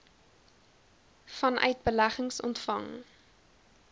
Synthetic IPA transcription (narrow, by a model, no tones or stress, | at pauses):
fɐnʔœ̰ɥt̚bəlæχəŋsɔ̰ntfɐ̰ŋ